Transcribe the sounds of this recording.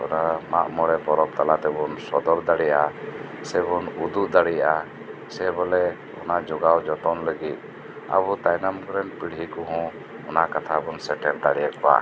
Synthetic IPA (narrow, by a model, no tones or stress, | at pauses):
ɔ̰namaʔmɔɽɛbɔɾɔp̚t̪alat̪ɛbɔnsɔd̪ɔɾd̪aɽɛjaʔasɛbɔnud̪uʔd̪aɽɛjaʔa | sɛbɔlɛ | ɔ̰nad͡ʒɔɡawd͡ʒɔt̪ɔnləɡit̪̚ˀ | a̰but̪ajnamkɔɾɛnpiɽɦikɔɦɔ̃ | ɔnaʔkat̪ʰabɔnsɛʈɛld̪aɽɛjakɔwa̰